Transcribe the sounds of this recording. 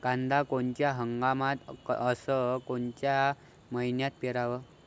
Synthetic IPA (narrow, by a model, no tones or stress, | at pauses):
ɡ̥ãnd̪akont͡ɕjaɦəŋɡamãt̪əsəkont͡ɕja | məinjat̪̚peɾaʋə